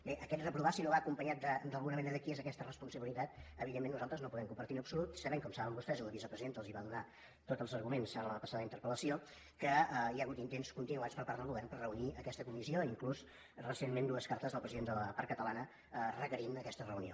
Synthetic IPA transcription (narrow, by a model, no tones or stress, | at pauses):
beʔəkɛt̪rəpɾuβasinoβaəkumpəɲat̪̚d̪əd̪əlˠɣunəməneɾðəkiezəkɛst̪ərəspunsəβilit̪at̪̚əβiðemːenːuzalˠt̪ɾəznopuðɛmkumpəɾt̪iləpsulut̪səβɛŋkɔmsaβəmbust̪ɛzlβizəpɾəziðent̪əlˠziβaðuna | t̪ot̪əlˠzəɾɣumensaɾləpəsaðəint̪əɾpələsio | kəiaəɣut̪int̪enskunt̪inuatt͡spəɾpaɾd̪əlˠɣuβɛrmpərrəuɲiəkɛst̪əkumizioiŋklus | rəsenmend̪uəskaɾt̪əzðəlˠpɾəziðend̪ələpaɾkːət̪əlanə | ərəkəɾinəkɛst̪ərəunio̰